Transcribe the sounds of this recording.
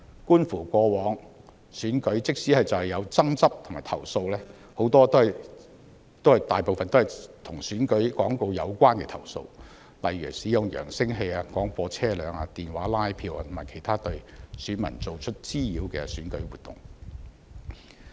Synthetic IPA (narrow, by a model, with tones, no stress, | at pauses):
kuː˥nfuː˨˩kʷɔː˧wɔː˨˥ŋ | syː˨˥nkɵ˨˥ɥt͡sɪ˥k̚siː˨˥hɐ˨jt͡sɐ˨whɐ˨jɐ˨˧wt͡sɐ˥ŋt͡sɐ˥p̚t̪ʰʊ˨˩maː˨˩jt̪ʰɐ̰˨˩wso˧wlɛː˥ | ho˨˧˥wt̪ɔː˥t̪o˥˨ | t̪o˥whɐ˨jt̪aː˨jpo˨wfɐ˨nt̪o˥hɐ˨˩jt̪ʰʊ˨˩ŋsyː˨˥nkɵ˨˥ɥkɔː˨˥ŋko˧wjɐ˨˧wkʷaː˥nkɛ̰˧t̪ʰɐ̰˨˩wso̰˧w | lɐ̰˨jɥy̰ː˨˩siː˨˥jʊ˨ŋjœ̰ː˨˩ŋsɪ˥ŋɦe˧aː˧kɔː˨˥ŋfɔː˧t͡sʰɛː˥lœː˨˧ŋa̰ː˧t̪iː˨nwaː˨˥laː˥jpʰiː˧wa̰˧t̪ʰmaː˨˩jkʰe˨˩jt̪ʰaː˥t̪ɵ˧ɥsyː˨˥nmɐ̰˨˩nt͡so˨wt͡ʃʰɵ˥t̚t͡siː˥jiː˨˧˥wkɛ̰ː˧syː˨˥nkɵ˨˥ɥwuː˨t̪ːʊ̰˨˩ŋ